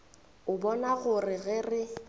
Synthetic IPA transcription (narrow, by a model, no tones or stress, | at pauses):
ʊbɔnaɣʊrɪɣɪrɪ